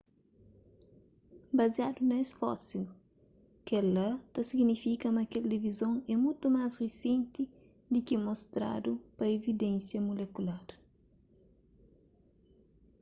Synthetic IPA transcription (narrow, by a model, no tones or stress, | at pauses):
bɐziad̪unɐesfɔ̰siu | kɛlɐt̪ɐsiɡnifikɐmɐkeld̪ivizõŋɛmũjt̪umazresẽnt̪i | d̪ikɛmost̪ɾa̰d̪upɐevid̪ẽnsjɐmulekulaɾ